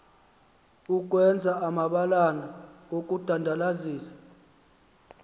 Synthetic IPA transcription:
uk̬ʼwɛnd͡zʱaamaɓalanaok̬ʼud̥ʱandʱalaziːsḁ

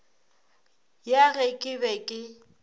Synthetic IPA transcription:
jaɣɛkʼɪbɛkʼɪ

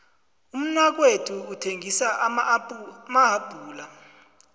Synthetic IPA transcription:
um̩nwak̬wetʰuːtʰeŋʱisaʔ | maɦab̥ʱuːla

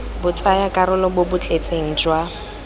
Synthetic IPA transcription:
bʊt͡sʼajakʼaɾʊlɔbobʊt͡ɬʼet͡sʼeŋ̩d͡ʒwa

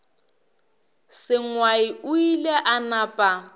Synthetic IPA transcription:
sɪŋwaiuilɛʔanaːpʼa

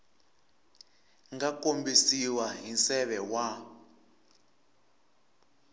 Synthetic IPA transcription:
ŋɡakombisiwaɦinsɛɓɛwa

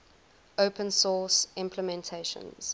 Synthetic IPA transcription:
oʊpʰə̃nsɔːsɪ̃mpʰləmɛ̃ntʰeɪʃə̰̃nz̥

